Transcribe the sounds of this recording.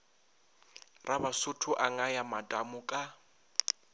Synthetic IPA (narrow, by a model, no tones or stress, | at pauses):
rʔabasʊtʰʊʔaŋajamadamʊkʼa